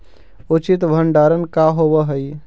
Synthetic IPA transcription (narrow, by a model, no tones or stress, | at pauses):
ʊt͡ʃɪt̪ʋʱəɳɖaːɾənkaɦobəɦəj